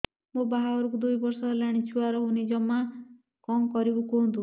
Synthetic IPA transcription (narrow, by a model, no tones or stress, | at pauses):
mobaɦaɔɾɔkud̪ujbɔɾsɔɾɔlaɽ̃it͡ʃʰuaɾɔɦunid͡ʒɔma | kɔŋkɔɾibukont̪u